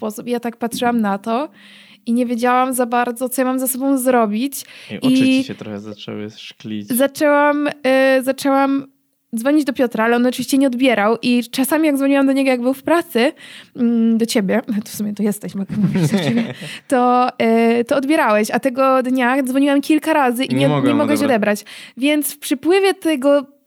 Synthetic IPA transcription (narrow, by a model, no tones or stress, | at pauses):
spɔsupijat̪ak̚patʂɘwamnat̪ɔ | iɲevʲjed͡ʑawamzabaɾd̪zɔt̪ɔjamamzɛsɔbɔ̃w̃zɾɔbʲit͡ɕivit͡ɕɛt̪ɾɔxɛza̰t͡ʂɛ̰wɨ̰ʂklʲḭzat͡ʂɛwamzat͡ʂɛwam | d̪vɔɲid͡ʑd̪ɔpʲjɔt̪ɾaalɛɔnɔt͡ʂɨvʲiɕt͡ɕɛɲɛɔd̪bʲjɛɾawʔit͡ʂasamʲijaɡzvɔɲiwamd̪ɔɲɛɡɔjaɡ̚bɘwfpɾat̪sɨ | d̪ɔt͡ɕebʲjɛt̪fsumʲjɛt̪ɔjɛst̪ɛɕmakamuvʲiɛɛmʲɛt̪ɔ | t̪ɔɔd̪bʲjɛɾawɛɕat̪ɛɡɔd̪ɲad̪vɔɲiwamkʲilkaɾazɨʔiɲɛɲɛmɔɡwɛɕɔd̪ɛbɾat͡ɕvʲjɛnt̪sfpʂɨpwɘvʲjɛt̪ɛɡɔ